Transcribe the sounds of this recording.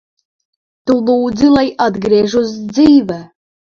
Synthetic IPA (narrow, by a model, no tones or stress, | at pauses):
t̪ulˠuːd̪zɨlˠajad̪ɡɾiɛʒusd̪ziːvɛ